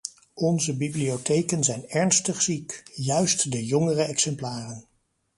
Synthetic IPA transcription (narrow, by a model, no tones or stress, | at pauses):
ɔnzəbibliowtejkənzɛjnɛɹnstəχsikjœɥstdəjɔŋərəɛksɛmplaːrən